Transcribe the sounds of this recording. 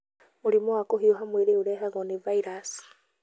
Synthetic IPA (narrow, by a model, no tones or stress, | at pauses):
muɾimɔwakoɦiɔɦamweɾeuɾɛɦaɣɔnivaiɾas